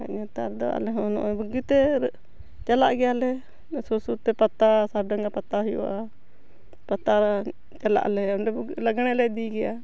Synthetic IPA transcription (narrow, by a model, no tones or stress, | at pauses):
a̰ɲat̪aɾd̪ɔa̰lɛɦɔnɔ̰ʔbuɡit̪ɛ | t͡ʃalaʔɡɛjalɛ | sɔsut̪ɛpat̪asadaŋɡapat̪aɦɔjṵa | pat̪aɾa | t͡ʃala̰ʔlɛɔnɖɛblaɡɽ̃ɛlɛd̪iɡɛja